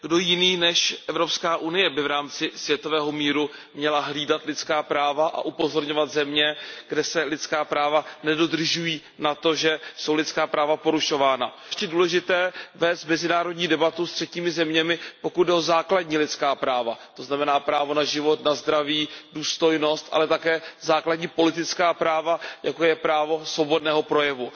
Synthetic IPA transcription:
ɡdo̞jɪniːnɛʃʔɛvɾo̞pskaːʔunɪjɛbɪvɾaːmt͡sɪsvjɛt̪o̞vɛːɦo̞miːɾumɲɛlaɦliːdat̪lɪt̪t͡skaːpɾaːvaʔa̰ʔupo̞zo̞ɾɲo̞vat̪zɛmɲɛɡ̥dɛsɛlɪt͡skaːpɾaːvanɛdo̞d̪r̩ʒujiː | nat̪o̞ʒɛso̞wlɪt͡skaːpɾaːvapo̞ɾuʃo̞vaːna̰jʃcɛduːlɛʒɪt̪ɛːvɛːst̪mɛzɪnaːɾo̞dɲiːdɛbat̪ust̪r̥ɛciːmɪzɛmɲɛmɪpo̞kud̪̚dɛo̞zaːklaɟɲiːlɪt̪t͡skaːpɾaːvat̪o̞znamɛnaːpɾaːvo̞naʒɪvo̞t̪nazd̪ɾaviːduːst̪o̞jno̞st̪ʔa̰lɛt̪akɛːzaːkladɲiːpo̞lɪt̪ɪt͡skaːpɾaːvajʔakojɛpɾaːvo̞svo̞bodnɛːɦo̞pɾo̞jɛvu

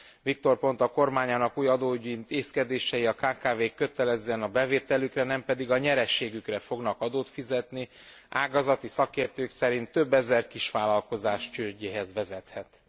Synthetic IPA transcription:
ʋik̚t̪o̞rpo̞nt̪ɒko̞rmaːɲaːnɒkuːjɒd̪oːyɟint̪eːskɛd̪eːʃɛjiɒkaːkaːveːkːø̞t̪ɛlɛzøɛnɒbɛveːt̪ɛlykrɛnɛmpɛd̪iɡɒɲɛɾɛʃːeːɡykrɛfo̞ɡnɒkɒd̪oːt̪fizɛt̪ni | ʔaːɡɒzɒt̪isɒkeːrt̪øːksɛɾint̪ːø̞bːɛzɛrkiʃʋaːlɒlko̞zaːʃt͡ʃøːɟeːɦɛzʋɛzɛt̪hɛt̪

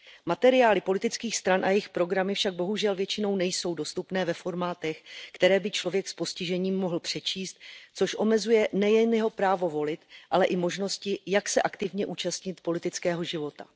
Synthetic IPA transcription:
mat̪ɛɾɪjaːlɪpo̞lɪt̪ɪt͡skiːxst̪ɾanʔa̰jɪxpɾo̞ɡɾamɪfʃaɡ̚bo̞ɦuʒɛlvjɛt͡ʃɪno̞wnɛjso̞wdo̞st̪upnɛːvɛfo̞ɾmaːt̪ɛxkt̪ɛɾɛːbɪt͡ʃlo̞vjɛkspo̞scɪʒɛɲiːmːo̞ɦl̩pr̝̥ɛt͡ʃiːst̪̚t͡so̞ʃʔo̞mɛzujɛnɛjɛnjɛɦo̞pɾaːvo̞vo̞lɪt̪ʔalɛʔɪmo̞ʒno̞scɪjaksɛʔakt̪ɪvɲɛʔuːt͡ʃast̪ɲɪt̪po̞lɪt̪ɪt͡skɛːɦo̞ʒɪvo̞t̪ḁ̰

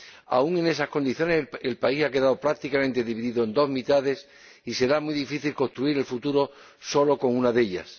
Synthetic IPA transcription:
a̰uŋe̞ne̞s̬ahko̞nd̪iθjo̞neselpaisake̞ðaðopɾak̚t̪ikamẽ̞nt̪e̞ðiβiðiðo̞e̞nd̪o̞zmit̪að̞e̞s | ise̞ɾamwiðifiθilko̞nst̪ɾuiɾe̞lfut̪uɾo̞ | so̞lo̞ko̞ŋunaðe̞ʎa̰s

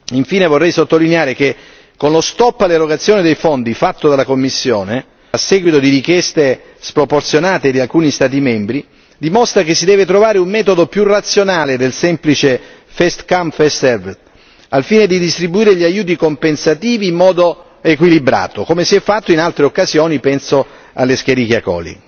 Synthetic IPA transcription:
iɱfiːnevorːɛjsot̪ːolineaːɾek̟e | kːonlost̪ɔpːaleɾoɡat̪sːjoːnid̪ejfond̪ifat̪ːod̪alakomːisːjoːne | asːɛːɡwit̪od̪iɾikjɛst̪e | spɾoport̪sjonaːt̪ed̪ialkuːnist̪aːt̪̬imɛmbɾi | d̪imost̪ɾakesːid̪ɛːvet̪ɾovaːɾeumːɛːt̪od̪opjurːat̪sːjonaːled̪elsɛmplit͡ʃe | fɛst̪kamfesɛrv | alfiːned̪id̪ist̪ɾibuiːɾeʎiajuːt̪ikompensat̪iːviːmːɔːd̪o | ekwilibɾa̰ːt̪okomesiɛfːat̪ːoinalt̪ɾeokːazjoːnipɛnso | a̰lːeskeɾik̟eakɔ̰ːlḭ

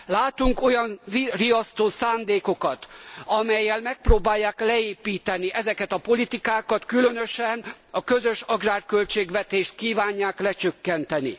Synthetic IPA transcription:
laːt̪uŋko̞jɒnririɒst̪oːsaːnd̪eːko̞kɒt̪ɒmɛjːɛlmɛk̚proːbaːjːaːklɛeːpiːt̪ɛniʔɛzɛkɛt̪ɒpo̞lit̪ikaːkɒt̪kylønøʃɛnɒkø̞zøʃɒɡraːrkølt͡ʃeːɡʋɛt̪eːʃt̪̚kiːvaːɲːaːklɛt͡ʃøkːɛnt̪ɛnḭ

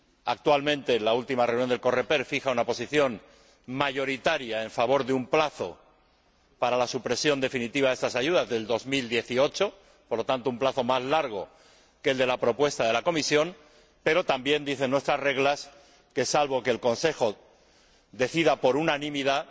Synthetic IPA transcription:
ak̚t̪walmẽ̞nt̪e̞nlault̪imare̞unjo̞nd̪elko̞repe̞ɾfixaunapo̞siθjo̞n | maʝo̞ɾit̪aɾjae̞ɱfaβ̞o̞ɾðeumplaθo̞̰ | paɾalasupɾe̞sjo̞nd̪e̞finit̪iβaðe̞st̪asaʝuðazðe̞ld̪o̞zmild̪je̞θio̞t͡ʃo̞ | poɾlo̞t̪ant̪oumplaθo̞mazlaɾɣo̞ | ke̞ld̪e̞lapɾo̞pwe̞st̪aðe̞lako̞misjo̞n | pe̞ɾo̞t̪ambje̞nd̪iθe̞nːwe̞st̪ɾasre̞ɣlas | ke̞salβo̞ke̞ːlko̞nse̞xo̞ | ðe̞θiðapo̞ɾunanĩmiða

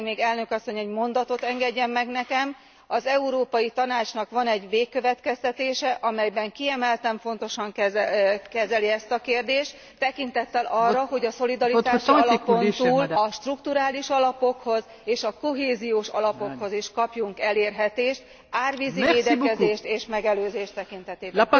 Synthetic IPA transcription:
meːɡɛlnø̞kɒsːo̞ɲɛɟmo̞nd̪ɒt̪o̞t̪ɛŋɡɛɟːɛmːɛɡnɛkɛm | ɒzɛuɾoːpɒjit̪ɒnaːt͡ʃnɒkʋɒnɛɟʋeːkːøvɛt̪kɛst̪ɛt̪eːʃɛʔɒmɛjbɛŋkiɛmɛlt̪ɛɱfo̞nt̪o̞ʃɒŋk | kɛzɛliɛst̪ɒkeːrd̪eːʃt̪ːɛkint̪ɛt̪ːɛlʔɒrːɒɦo̞ɟɒso̞lid̪ɒɾit̪aːʃlpont̪uːlɒʃt̪rukt̪uɾaːliʃɒlɒpo̞kho̞z | eːʃɒko̞ɦeːzijoːʃɒ̰lɒpo̞kho̞ziʃkɒpjuŋkɛleːrɦɛt̪eːʃt̪ | aːrʋizieːd̪ɛkɛzeːʃt̪eːʃmɛɡɛløːzeːʃt̪ɛkint̪ɛt̪eːbɛ

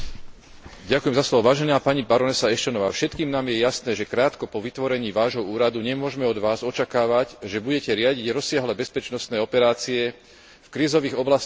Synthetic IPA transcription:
ɟakujɛmzaslɔʋɔʋaːʒɛnɛːapaɲibaɾɔnɛsaɛʃtɔnɔʋa̰ːfʃɛt̪kiːmnaːmjɛjasnɛːʒɛkɾaːt̪kɔpɔʋit̪ʋɔɾɛɲiːʋaːʒɦɔuːɾad̪uɲɛmʊɔʒmɛɔd̪ʋaːzɔt͡ʃakaːʋaɟʒɛbuɟɛcɛɾɪaɟiɟɾɔsːɪaɦlɛbɛspɛt͡ʃnɔst̪nɛːɔpɛɾaːt͡siɛ | fkɾiːzɔʋiːɣɔblas

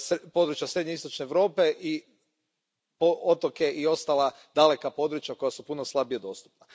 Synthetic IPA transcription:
spo̞d̪ɾut͡ʃjasɾe̞d̪ʲɲeist̪o̞̥t͡ʃneːʋɾo̞ːpe̞ʔi | poot̪oke̞ʔio̞st̪alˠa | d̪ale̞kapo̞d̪ɾut͡ʃjako̞jasupunoslˠabied̪o̞ːst̪u̥pna

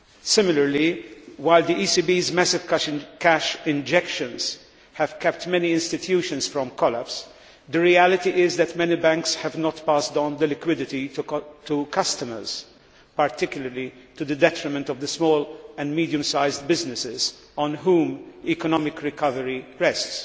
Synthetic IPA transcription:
sɪmɪləɾliwaɪld̪iʔiːsibiːzmæsɪv̥kkæʃɪ̃nd͡ʒɛkʃə̃nz | hɛv̥kɛp̚t̪mɛniɪ̃nst̪ɪt̪ʰjuːʃə̃nsfɾɔ̃mkʰɔlæps | d̪əɾiælɪt̪iʔɪzd̪ɛt̪mɛnibæ̃ŋkshɛvnɔt̪paːst̪ɔ̃nd̪əlɪkwɪd̪ɪt̪it̪ukʌst̪əmə̰ɾz̥ | pɐɾt̪ɪkjʊləɾli | t̪ud̪əd̪ɛt̪ɾɪmɛ̃nt̪ɔvd̪əsmɔːlɛ̃ndmiːd̪iɨ̃msaɪzd̪bɪznɪsɪz | ɔ̃nɦũːmikɔnɔmɪkɾɪkʰʌvəɾiɹɛsts

